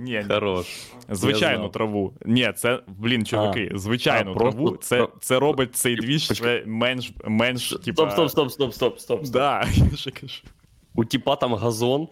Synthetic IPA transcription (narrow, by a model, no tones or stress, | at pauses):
nʲeɐɾoʃzʋɪt͡ʃajnʊt̪ɾɐʋunʲɛt̪sɛblʲint͡ʃɔʋɐkɪzʋɪt͡ʃajnʊpɾɾɐʋut̪sɛt̪sɛɾobɨt̚ʲt̪sɛjd̪ʲʋʲiʃsɛmɛnʃmɛnʃtʲitp̪opsost̪opst̪opst̪opst̪od̪ɑjaʒɛkɐʒ̥u | utʲipat̪amɣɐzon